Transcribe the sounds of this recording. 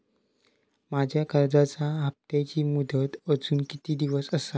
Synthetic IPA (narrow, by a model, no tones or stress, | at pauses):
mad͡ʑʱjakəɾd͡zat͡saɦəp̚t̪at͡ɕiːmud̪ʱət̪əd͡zuːnkit̪iːd̪iʋəsəsa